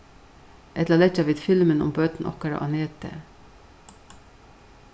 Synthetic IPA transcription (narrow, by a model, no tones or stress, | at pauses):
ʔɛt̪lɑlɛt͡ʃɑʋɪd̪fɪlmənʊ̰mbøːt̪n̩ʔɔ̰kɑɾɑ̰ʔɑneːt̪ə̰